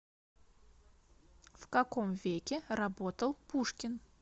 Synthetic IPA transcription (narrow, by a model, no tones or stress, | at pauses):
fkɐkomvʲekʲɪrɐbot̪əlˠpuʂkʲɪn